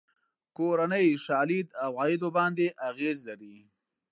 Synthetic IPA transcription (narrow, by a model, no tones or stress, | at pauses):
koɾanəjʃɑːlid̪awɣɑjid̪obɑnd̪eʔaɣezlaɾi